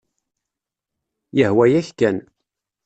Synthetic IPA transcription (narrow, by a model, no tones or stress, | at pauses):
jəhwæjæçkæn